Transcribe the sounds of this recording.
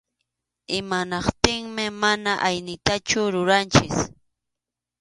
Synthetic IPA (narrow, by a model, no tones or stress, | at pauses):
ɪmanɑqt̪ɪŋmɪmanaʔajnɪt̪at͡ʃʊɾʊɾant͡ʃɪs